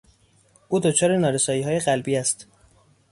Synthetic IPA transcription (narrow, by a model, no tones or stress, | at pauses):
ʔuːd̪ot͡ʃʰɒːɾenɒːɾesɒːiːɦɒːje̞ɢælbiːæst̪